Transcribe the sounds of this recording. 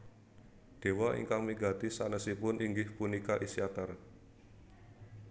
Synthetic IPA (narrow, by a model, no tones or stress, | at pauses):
d̪̥e̤waʔḭŋkaŋmiɡa̤d̪isanəsipʊnʔiŋɡɪhpunikaʔisiat̪ər